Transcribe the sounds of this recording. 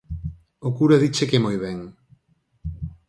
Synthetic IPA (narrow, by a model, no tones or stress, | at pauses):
okuɾaðit͡ʃekemojβɛŋ